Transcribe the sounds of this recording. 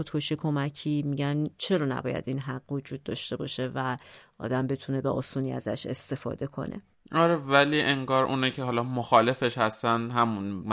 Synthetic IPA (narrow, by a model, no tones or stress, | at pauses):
od̪̥kʰo̞ʃiːkʰo̞mæcʰiːmiːɟænt͡ʃʰe̞ɾɒːnæ̰bɒ̰ːjæ̰d̪inɦæɢ̥ːvo̞d͡ʒuːd̪̥̚ːɒʃt̪e̞bɒ̰ːʃe̞væʔɒ̰ːd̪æmbe̞t̪ʰune̞beʔosuːniːæ̰zæ̰ʃe̞̰st̪e̞fɒ̰ːd̪e̞kʰo̞̰nʔḛ | ɒɾevæliːʔeŋɡɒːɾʔṵːnicʰeɦɒlɒːmoxɒːle̞fe̞ʃhæst̪ænd̪ɦæmun